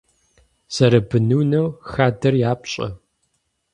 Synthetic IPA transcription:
sɐɾɐbɨnuːnɐwxaːdɐrjaːpɕʼɐ̰

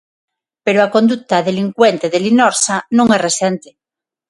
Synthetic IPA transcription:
peɾoako̞nd̪uk̚t̪aðe̞liŋkwent̪eðelinoɾsanũŋeresent̪e

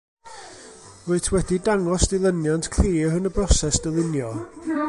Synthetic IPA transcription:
voɨtʰwɛdidaŋɔsdɪlˠənjantʰkʰr̥iːhənəbrɔsɛsd̥əlˠɪnjɔ

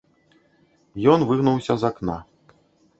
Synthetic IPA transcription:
jɔnvɨɣnuwsʲɐzakna

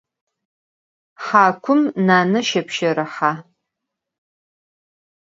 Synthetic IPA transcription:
ħaːkʷʰʊmnaːnɐʃɐpʰʃɐɾɐħa

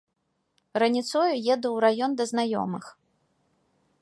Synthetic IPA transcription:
rɐnʲit̪sɔjujɛd̪uwɾajɔnd̪ɐznajɔ̰mɨx

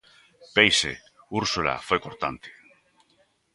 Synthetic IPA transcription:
pejsḛ | uɾsula̰fojkoɾt̪ant̪e̥

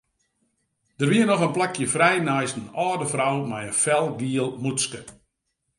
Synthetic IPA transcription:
d̥ərʋiənɔxənplakʰjəfrɛjnajsn̩ɔːdəfrawmɛjənfɛlˠɡiəlˠmuskə

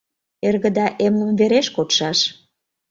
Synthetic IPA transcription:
erɣə̆d̪ɑʔemlə̆mveɾeʃkot̪ʃɑʃ

